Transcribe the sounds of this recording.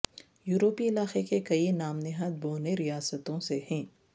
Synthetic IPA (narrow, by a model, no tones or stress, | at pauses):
juːɾoːpiɪlaːxekekɐinaːmnɪɦad̪̚boːneɾijaːsət̪õsehɛ̃ː